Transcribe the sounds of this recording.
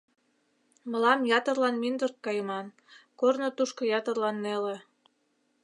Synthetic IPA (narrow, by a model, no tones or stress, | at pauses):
mə̆lɑmjɑt̪ərlɑnmind̪ərt̪̚kɑjəmɑn | kornŏt̪uʃkŏjɑt̪ərlɑnːelĕ